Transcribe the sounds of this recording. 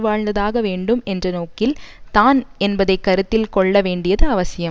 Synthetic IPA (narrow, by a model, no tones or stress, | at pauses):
ʋaːɻd̪ɐðaːɣɐʋeːɳɖɯmɛndrɐnoːkɪlt̪aːnɛnbɐðɐɪkːɐɾɯt̪ːɪlkɔɭːɐʋeːɳɖɪjɐðɯɐʋɐsɪjɐ